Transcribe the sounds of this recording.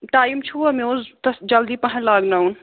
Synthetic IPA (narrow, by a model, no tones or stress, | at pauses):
ʈaːjimt͡ʃʰuɐmoːzt̪ɐsd͡ʒɐld̪ipɐɦɐ̃laːɡnauːn